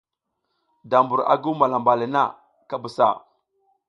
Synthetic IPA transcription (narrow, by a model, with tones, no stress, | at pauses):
da˨mbu˨ɾa̰˨ɡu˦ma˨la˨mba˨li˨na˦˨ | ka˦bu˨sa̰˦˨